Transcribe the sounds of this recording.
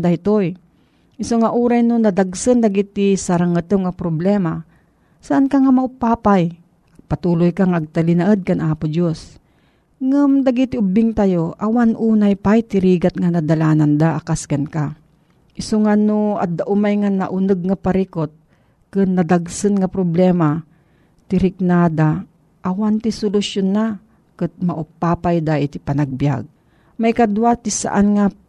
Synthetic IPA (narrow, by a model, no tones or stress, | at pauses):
d̪aɪt̪oj | ʔɪsoŋaʔuːɾajnonɐd̪aɡsɨnd̪aɡit̪ɪsaɾaŋɨt̪ɨŋapɾoblɛma | saʔankaŋamaʊpaːpaj | ɐɡ̚pat̪uːlʊjkaŋaʔaɡ̚t̪alɪnaʔəd̪̚kanʔaːpʊd͡ʒos | ŋɨmd̪aɡit̪ɪʊbɪŋt̪ajoʔɐwanʔuːnajpajt̪ɪɾiːɡat̪̚ŋanad̪alaːnand̪aʔakaskanka | ʔɪsoŋanoa̰d̪ːaʔʊmajŋana̰ʔʊnɨɡ̚ŋapaɾikot̪̚ | kɨnːɐd̪aɡsɨnŋapɾoblɛːma | t̪ɪɾɪk̚nad̪a | ʔːwant̪ɪsʊlʊsjonːa | kɨt̪̚maʔʊpːaːpajd̪aʔɪt̪ɪpɐnaɡ̚bja̰ɡ̚ | majkad̪wat̪ɪsa̰ʔanŋa